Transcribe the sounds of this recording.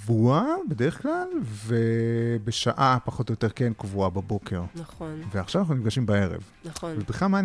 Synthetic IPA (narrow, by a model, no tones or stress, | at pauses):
vuabedeʁeχklalve̞beʃaʔapaχo̞tojot̪e̞ʁkenkvuababo̞kʰe̞ʁnaoveaχʃavanaχnunifɡaʃimbae̞ʁḛv | nvelbχiχamaː